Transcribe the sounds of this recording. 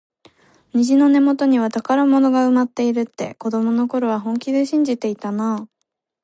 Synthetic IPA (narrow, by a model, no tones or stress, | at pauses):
ɲ̟iʑino̞ne̞mo̞t̪o̞ɲ̟iβat̪akaɾamo̞no̞ɡaɯ̟mat̪ːe̞iɾɯ̟t̪ːe̞̰ko̞d̪o̞mo̞no̞ko̞ɾo̞β̞aɦõ̞ŋkʲid̪e̞ɕĩɲ̟d͡ʑit̪e̞it̪anaː